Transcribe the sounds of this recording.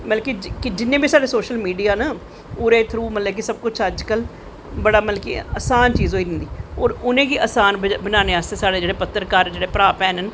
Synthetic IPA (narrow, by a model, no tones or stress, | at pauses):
məlkid͡ʒkɪd͡ʒɪnːẽːbiːsaːɖeːsoːʃəlmiːɖijaːnaː | ʊːɾeːt̪ʰɾuːmət̪lək̬ɪsəb̚kʊt͡ʃʰəd͡ʒkəl | bəɽaːməlkḭəsaːnt͡ʃiːzɦoːiːdɪ̃nd̪iːɔːɾʊnẽːɡiːəsaːnbənaːneːaːst̪eːsaːɽeːd͡ʒeːɽeːpət̪ːəɾkaːɾd͡ʒeːɽeːpəɾaːpɛːnən